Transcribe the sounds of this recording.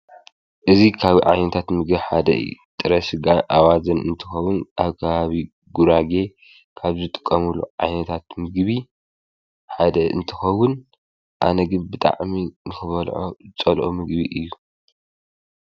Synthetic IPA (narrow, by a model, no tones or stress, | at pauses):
ʔɨzikʰaβʕa̰jnɐt̪ʰat̪mɨɡbiħad̪ɐʔɨ̰jːut̪ʼɨɾɐsɨɡaʔawazɐnɨ̰nt̪ʰɨ̥xɐwʊnʔaβkʰɐβaβi | ɡuɾaɡe̞ | kʰaβzɨt̪ʼɨ̥kʼːɐmuluʕa̰jnɐt̪ʰat̪mɨɡβi | ħad̪ɐʔɨ̰nt̪ʰɨxɐwʊn | ʔa̰nɐɡɨnbɨt̪ʼa̰ʕminɨxɨβɐlʕot͡sʼɐlʔomɨɡbiʔɨjːu